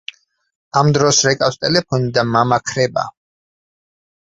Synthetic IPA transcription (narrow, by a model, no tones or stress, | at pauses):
amd̪ɾɔsɾɛkʼawst̪ʼɛlɛpʰɔnid̪amamakʰɾɛba̰